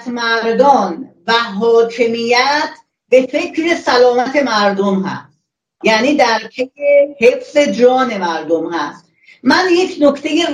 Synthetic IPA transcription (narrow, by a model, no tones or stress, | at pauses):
t̪ʰmæɾd̪ɒn | væɦɒːkʰe̞mijæt̪ʰ | be̞fe̞cʰɾe̞sælɒːmæt̪ʰe̞mæɾd̪omɦæ̰st̪ | jæːniːd̪æɾpʰejehe̞fz̥e̞d͡ʒɒːne̞mæɾd̪omhæst̪ | mænje̞kʰno̞kʰt̪ʰe̞jer